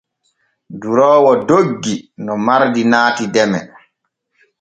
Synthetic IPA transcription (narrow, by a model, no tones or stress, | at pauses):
duɾɔːwɔdoɡːinɔmaɾdinaːtidɛmɛ̰